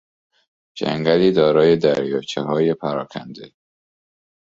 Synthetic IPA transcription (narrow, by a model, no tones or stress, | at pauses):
d͡ʒæ̰ŋɡæliːd̪ɒːɾɒːje̞d̪æɾjɒːt͡ʃʰeɦɒːjepʰæɾɒːkʰæ̰nd̪e